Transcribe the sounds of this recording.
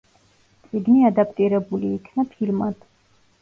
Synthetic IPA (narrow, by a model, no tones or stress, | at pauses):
t̪sʼiɡniad̪ap̚ʰʼt̪ʼiɾɛbuliːkʰnapʰilmad̪̥